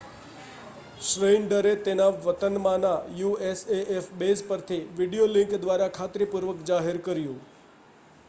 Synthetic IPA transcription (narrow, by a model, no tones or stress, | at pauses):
ʃɾeɳɖəɾet̪enaʋət̪ənmãnãjueseʔefbespəɾt̪ʰiʋiɖijolɪ̃ŋkd̪ʋaɾakʰat̪ɾipuɾʋəkd͡ʒaɦeɾkəɾjũ